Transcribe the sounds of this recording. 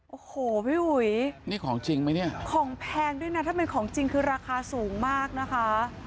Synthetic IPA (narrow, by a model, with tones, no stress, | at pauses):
ʔoː˨˩hoː˨˩˦pʰiː˥˩ʔu˨˩jniː˥˩kʰɔː˩˦ŋt͡ɕi˧ŋma˦˥jni˥˩ɐkʰɔː˩˦ŋpʰɛː˧ndu˥˩jna˦˥t̪ʰaː˥˩pe˧nkʰɔː˩˦ŋt͡ɕi˧ŋkʰɯː˧ɾaː˧kʰaː˧suː˩˦ŋmaː˥˩k̚na˦˥kʰa˦˥